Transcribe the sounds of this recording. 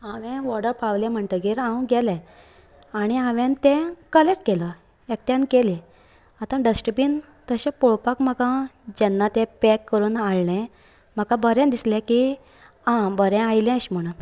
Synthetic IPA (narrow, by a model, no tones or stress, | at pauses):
aʋɛ̃ʋɔɽəɾpʰaʋlɛ̃m̤əɳt̪əɡiɾãwɡɛlɛ̃ | aɽ̃iãʋɛ̃nt̪ɛ̃kəleʈkelə | ek̚ʈjãnkelɛ̃ | at̪ãɖəsʈəpin | t̪əɕɛ̃pɔɭpakm̤əkãd͡ʑɛnːat̪ɛpɛkːəɾuːnaɭɳɛ̃ | m̤əkãbəɾɛ̃nd̪islɛ̃ki | ãbəɾɛ̃ajlɛ̃əɕm̤əɽ̃ũn